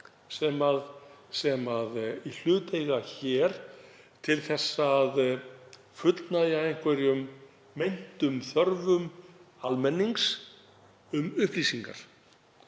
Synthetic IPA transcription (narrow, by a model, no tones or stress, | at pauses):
sɛmaðsɛmaðil̥ʏːt̪ejɣaçɛːɾ̥ | t̪ʰɪlθɛsːað | fʏt̪najaejŋ̥kvɛɾjʏmː | ejn̥t̪ʏmθœɾvʏmalmɛnːiŋks | ʏmʏhpliːsiŋka̰ɾ̥